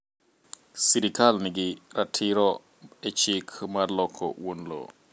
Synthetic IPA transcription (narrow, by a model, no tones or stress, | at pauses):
siɾikalnɪɡɪɾatʰɪɾɔ | et͡ʃikʰmarlɔkʰːɔ̰wonlo̰